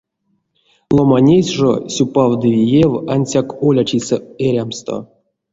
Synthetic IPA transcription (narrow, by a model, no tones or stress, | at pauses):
lˠomanʲesʲʐo̰sʲupavd̪ɨvʲijevanʲsʲakolʲat͡ʃiseeɾʲamst̪o̞̰